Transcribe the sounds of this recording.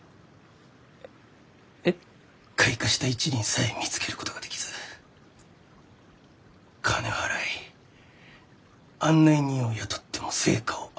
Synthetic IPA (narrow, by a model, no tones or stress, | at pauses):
kʰaikaɕi̥t̪ait͡ɕiɲʲĩɰ̃saemʲit͡sɨ̥ke̞ɾɯ̟ko̞t̪o̞ɡad̪̥e̞kʲi̥z̥ɨ̥ | kʰane̞haɾai | ãnːaiɲ̟ioiβat̪ʰo̥t̪ːe̞mo̞se̞̰ːkao